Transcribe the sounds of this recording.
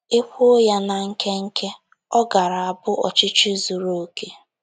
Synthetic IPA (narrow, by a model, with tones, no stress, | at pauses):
e˦kʷo˦ja˦na˨ŋ̩˦ke˦ŋ̩˦kʰe˦ | ɔ˦ɡa˨ɾa˨a˨bʊ˦ʔɔ̰˨t͡ʃɪ˦t͡ʃi˦zu˨ɾo˦ke˦